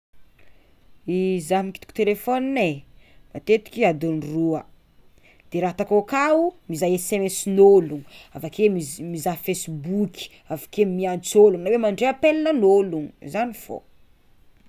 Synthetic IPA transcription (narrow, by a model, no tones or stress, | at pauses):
izaɦmiki̥t̪i̥ku̥t̪elefɔninemat̪et̪i̥kʲiad̪unruə | d̪̥eɾaɦt̪akokaumizajesemesinoluŋavakeimizafesbukʲi̥ | avakemiant͡soluŋnawemaɳɖ͡ʐeapelinənoluŋzaniv̥o̰